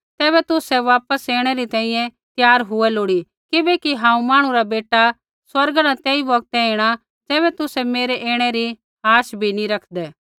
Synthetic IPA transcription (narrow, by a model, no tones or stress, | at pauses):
t̪ɛːβɛt̪ʊsɛʋaːpəseːɽ̃ɛɾit̪ɛ̃ːĩjɛ̃t̪jaːɾɦʊɛloːɽi | kɪbɛkiɦãːũmaːɽ̃ũɾabeːʈa | swɐɾɡnãt̪ɛːiʋɐk̚t̪ɛeːɽ̃a | d͡ʒɛːβɛt̪ʊsɛmeːɾeʔeːɽ̃ɛɾi | ɦaːʃbʱiniɾɐkʰd̪ɛː